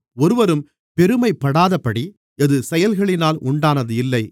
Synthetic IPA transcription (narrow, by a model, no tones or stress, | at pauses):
ɔɾɯʋɐɾɯm | pɛɾɯmɐɪpːɐɽaːðɐpːɐɽi | ɛðɯsɛjɐlɣɐɭɪnaːlʔʊɳɖaːnɐðɯɪlːɐɪ